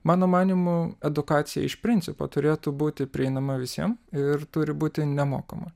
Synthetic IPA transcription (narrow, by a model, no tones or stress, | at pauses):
mɑːnoːmɑːnʲimʊɛd̪ʊkɑːt̪sʲɪjɛ̰ɪʃpʲɾʲɪnʲtsʲɪpo̰t̪ʊɾʲeːt̪ubuːt̪ʲɪpʲɾʲɪɛɪnɐmɐʋʲɪsʲiɛmɪɾt̪ʊɾʲɪbuːt̪ʲɪnʲɛmoːkɐmɐ